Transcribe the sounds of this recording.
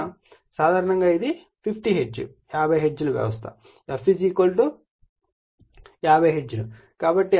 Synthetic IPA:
saːd̪ʱaːɾɐɳɐŋɡaːid̪i | pʰipʰʈiɦed͡ʒːṵ | jaːbʱɐjɦed͡ʒːuluʋjɛ̰ʋɐst̪ʰɐ̰ | pʰid͡ʒikɐlʈu | jaːbʱɐjɦed͡ʒːulu | kaːbɐʈːi

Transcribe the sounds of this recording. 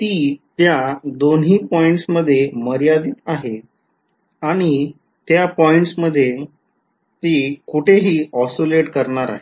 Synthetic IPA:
t̪iːt̪jad̪onɦiːpɔiɳʈsməd̪ʱːjeməɾjad̪iːt̪aɦe | aɽ̃i | t̪japɔiɳʈsməd̪ʱːje | t̪iːkuʈʰeɦiːɔsoleʈkəɾɳaɾa̰ɦe

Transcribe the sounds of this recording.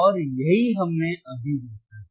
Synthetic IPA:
ɔːɾjɐɦiɦɐmneɐbʱid̪eːkʰa

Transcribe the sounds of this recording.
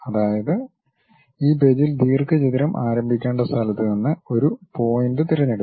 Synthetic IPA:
ɐðaːjɐðɨ | iːbed͡ʑild̪iːrkɨt͡ɕiðiɾɐmʔaːɾɐmbʱikʲːeːɳɖɐst̪ʰɐlɐt̪ːɨninːɨo̞ɾupo̞ːjnɖɨt̪iɾɐɲːeɽu

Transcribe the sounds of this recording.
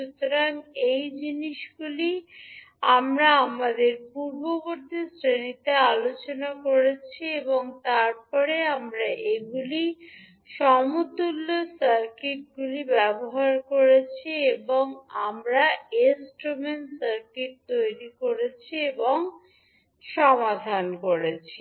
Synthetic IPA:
ʃut̪oɾaŋejd͡ʑiniʃɡuli | amɾaamad̪eɾpuɾboboɾd̪ʱisɾenit̪ealot͡ɕonakoɾet͡ɕʰieboŋt̪aɾpɔɾeamɾaʔeɡuli | ʃɔmut̪ulːosaɾkiʈ̚ɡulibɛboɦaɾkoɾet͡ɕʰieboŋamɾaesʈɾomenʈsaɾkiʈ̚t̪ojɾikoɾet͡ɕʰieboŋ | ʃɔmad̪ʱankoɾet͡ɕʰi

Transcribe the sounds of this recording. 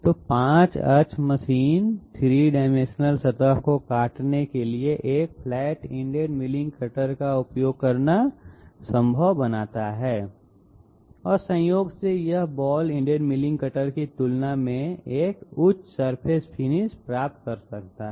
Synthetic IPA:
t̪oːpãːt͡ʃɐ̰t͡ʃməʃiːnt̪ʰɾiːɖaːɪmẽʃnəlsɐt̪əɦkokaːʈnekelieʔeːk̚pʰlɛːʈɪ̃ɳɖeɖmɪlɪ̃ŋɡkəʈəɾkaʊpjoːɡ̚kɐɾnasə̃mbʱəʋbɐnaːt̪aɦɛː | ɔːɾsə̃joːɡsejɐɦbɔːlɪ̃ɳɖeːɖmɪlɪ̃ŋɡkəʈəɾkit̪ʊlnamẽeːkʊt͡ʃsəɾpʰeːspʰɪnɪspɾaːp̚t̪̚kɐɾsɐk̚t̪aɦ

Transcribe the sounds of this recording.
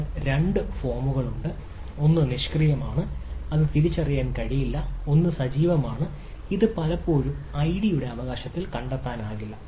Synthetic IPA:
ɾe̞ɳɖɨfo̞ːrmuɣɐɭuɳɖɨ | o̞nːɨniʂkrijɐmaːɳɨɐðɨt̪iɾit͡ɕːɐrijaːnkɐɻijilːɐo̞nːɨsɐd͡ʑiːʋɐmaːɳɨ | iðɨpɐlɐpːo̞ːɻumɐjɽijuɽe̞ɐʋɐɣaːɕɐt̪ːilkɐɳɖet̪ːaːnaːɣilːɐ

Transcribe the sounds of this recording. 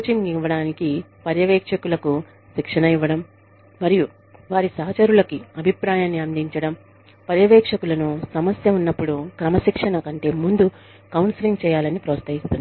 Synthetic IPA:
put͡ʃiŋiʋːɐɽaːnikipɐɾjɐʋɛːkʂɐkulɐku | ʃikʂɐnɐiʋːɐɽɐmː | ɐɾiju | ʋaːɾisɐɦɐt͡ʃɐɾulɐkiɐbʱipɾaːjaːnːiɐnd̪iɲt͡ʃɐɽɐm | pɐɾjɐʋɛːkʂɐkulɐnusɐmɐsjɐunːɐpːuɽukɾɐmɐʃikʂɐnɐkɐɳʈe̞ːmund̪u | kɐwnsiliŋɡt͡ʃɛːjaːlɐnipɾɐːɐst̪ʰɐɦist̪und̪i

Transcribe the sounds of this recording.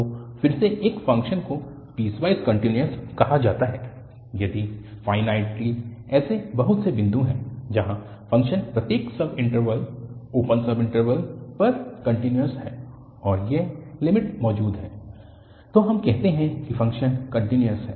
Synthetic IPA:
t̪oːfɪɾseʔeːkfɐ̃ŋkʃənko | b̥iːsʋaːɪskɐ̃ɳʈinjəskɐɦad͡ʒaːt̪aɦɛː | jɐd̪ifaːɪnaːɪʈ̚ʈiːzɛːsebɐɦʊt̪sebɪ̃nd̪ʱũɦɛ̃ːd͡ʒɐɦã | fɐ̃ŋkʃənpɾɐt̪jeːksɐbɪ̃ɳʈəɾʋəloːpə̃nsɐbɪ̃ɳʈəɾʋəlpɐɾkɐ̃ɳʈɪnjəɾsɦɛː | ɔːɾjelɪmɪʈmɔːd͡ʒuːd̪ɦɛː | t̪oːɦɐmkɛɦt̪eɦɛ̃kifɐ̃ŋkʃənkɐ̃ɳʈinjəsɦɛː

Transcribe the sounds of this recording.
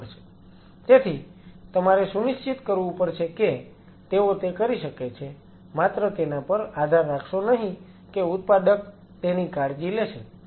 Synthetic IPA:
t͡ʃʰe̥ | t̪et̪ʰit̪əmaɾesuniʃt͡ʃit̪kəɾʋũpəɾt͡ʃʰeke | t̪eot̪ekəɾiʃəket͡ʃʰe | mat̪ɾət̪enapəɾad̪ʱaɾːakʰʃonəɦĩ | keut̪̚pad̪ək̚ | t̪enikaɽd͡ʒileʃe

